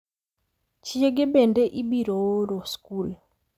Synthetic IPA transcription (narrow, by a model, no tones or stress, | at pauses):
t͡ʃjeɡɪbendeʔibiɾowoɾoskul